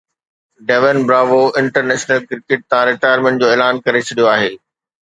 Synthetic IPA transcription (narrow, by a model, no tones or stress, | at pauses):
ɖɛʋənbɾaːʋoʔɪ̃ɳʈəɾnɛːʃnəlkɪɾɪkeʈ̚t̪ɐãɾɪʈaːjəɾmẽɳʈd͡ʑoːeːlaːnkɐɾet͡ɕʰɐɗijoaːɦeː